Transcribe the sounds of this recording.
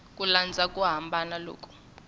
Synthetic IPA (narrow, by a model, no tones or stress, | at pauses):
kʼuland͡zʱakʼuɦambʱanalo̰ːkʼu̥